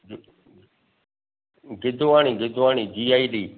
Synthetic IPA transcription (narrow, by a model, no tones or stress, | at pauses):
ɡɪd̪ʱʊʋaːɳ̃ĩːɡɪd̪ʱʊʋaːniːd͡ʒiːaːiːɗiː